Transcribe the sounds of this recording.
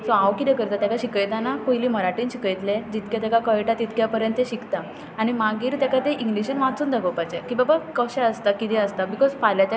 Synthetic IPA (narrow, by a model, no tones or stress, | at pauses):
soawkit̪ɛkəɾt̪at̪jakaɕikəjt̪anakojliːməɾaʈiːnɕikəjt̪led͡ʑit̪kjat̪akakəjʈat̪it̪kjapəɾjə̃nt̪ːeɕikt̪aː | ñimaɡiːɾt̪jakat̪eʔiŋɡliɕənʋãt͡suːnd̪aɡəpajt͡ɕekiːbabakəɕɛəst̪akit̪ɛ̃əst̪abikɔzpaljat͡ɕ